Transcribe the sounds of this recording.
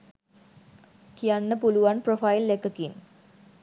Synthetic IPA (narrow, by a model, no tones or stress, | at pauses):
kijanːəpuluʋanprofailːekəkin